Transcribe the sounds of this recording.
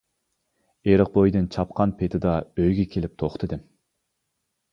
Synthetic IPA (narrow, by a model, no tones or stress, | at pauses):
eɾɨq̚bojd̪ɨnt͡ʃʰɑp̚qʰɑnpʰet̪ʰɪd̪ɑøjɡʲɛkʲʰelɪp̚t̪ʰoχt̪ʰɨd̪ɪm